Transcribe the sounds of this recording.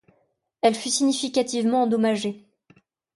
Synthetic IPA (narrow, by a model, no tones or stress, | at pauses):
ɛlfysiɲifikʲat̪ivmɑ̃ɑ̃d̪ɔmaʒe